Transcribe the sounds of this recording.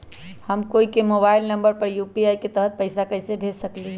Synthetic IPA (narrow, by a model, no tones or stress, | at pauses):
həmkoikemobailnəmbəɾpəɾjupiajket̪əɦət̪̚pəɪsakəɪsebʱesəkli